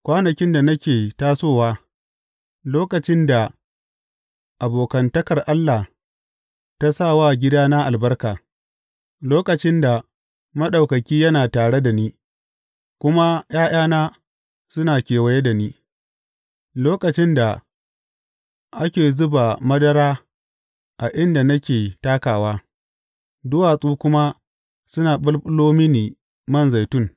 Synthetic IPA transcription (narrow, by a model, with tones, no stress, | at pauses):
kʷaː˦nɐ˨kʲɪ˦nda˨nɐ˦kʲeː˨taː˦soː˦waː˦ | loː˦kɐ˨t͡ʃɪ˦nda˨ | ʔa˨boː˨kɐ˨ntɐ˦kɐ˨rʔa˦lːa˨h | ta˦sa˦˨waː˦ɡʲɪ˦daː˦na˦ʔa˨lbɐ˦rkaː˨ | loː˦kɐ˨t͡ʃɪ˦nda˨ | mɐ˦ɗa˨wkɐ˨kʲiː˦jɐ˦naː˨taː˨ɽe˦da˨niː˦ | kʷʊ˦ma˦j̰aː˦j̰aː˦naː˦ | sʊ˦naː˨kʲeː˨wɐ˨je˦da˨niː˦ | loː˦kɐ˨t͡ʃɪ˦nda˨ | ʔa˦kʲeː˨zʊ˦ba˨mɐ˦dɐ˦ɾaː˦ | ʔa˨ʔɪ˦nda˨nɐ˦kʲeː˨taː˦kaː˨waː˦ | dʊ˦waː˨sʼuː˦kʷʊ˦ma˦ | sʊ˦naː˨ɓʊ˦lɓʼʊ˦loː˦mɪ˦niː˨ | mɐ˦nza˨jtʊ˦ŋ